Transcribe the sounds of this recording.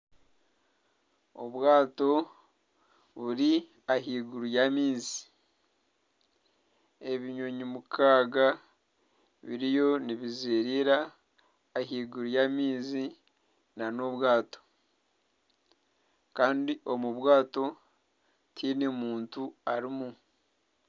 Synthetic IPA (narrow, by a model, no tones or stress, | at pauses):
o̰βwaːto̞ | βuɾi | aɦiːɡuɾujaːmiːzi̥ | e̞βiɲo̞ɲimukʰaːɡa | βiɾijo̞niβizeːɾiːɾaː | ɦiːɡuɾujaːmiːzi | nano̞βwaːto̥ | kaːndiʔo̞muβwaːto̞ | tʰinemuːntuaɾimu